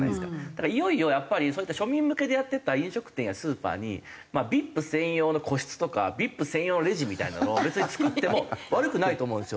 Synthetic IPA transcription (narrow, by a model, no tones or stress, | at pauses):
a̰esɨkad̪̥akaaijo̞io̞japːaɾʲisoːit̪ːaɕo̞mʲĩmːɯ̟ke̞d̪e̞jat̪ːe̞t̪aĩɰ̃ɕo̞kɯ̟̥t̪ẽ̞ɰ̃jasɨːpa̰ːɲ̟ḭ | mabʲipːɯ̟sẽ̞ɰ̃jo̞ːno̞kʰo̞ɕi̥t͡sɨ̥t̪o̞ka̰bʲipːɯ̟sẽɰ̃joːnoɾe̞ʑimʲit̪a̰ḭna̰nobe̞t͡sɨɲit͡sɨ̥kɯt̪ːe̞mo̞βaɾɯ̟kɯ̟nait̪oːmõ̞ːnsɨjo